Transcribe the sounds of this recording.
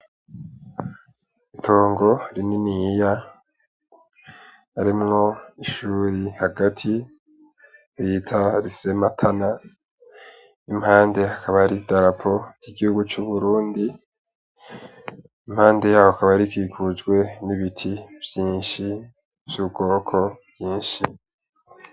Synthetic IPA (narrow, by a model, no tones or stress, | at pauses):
itʰo̞ːŋɡo̞ɾininija | aɾimŋo̞iʃuːɾihaɡatʰi | ɾitʰaɾise̞matʰana | imhaːnde̞akaβaɾidaɾapʰo̞ɾiɡihuɡut͡ʃuβuɾuːndi | imhaːnde̞jaːwoakaβajaɾikikʰud͡ʒɡwe̞niβitʰivjiːnʃi | vjubɡo̞ːkʰo̞βjiːnʃi